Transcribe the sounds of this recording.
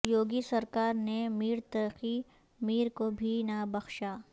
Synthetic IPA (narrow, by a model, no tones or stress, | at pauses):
joːɡisɐɾkaːɾnemiːɾt̪ɐɾxi | miːɾkobʱinabɐxʃaː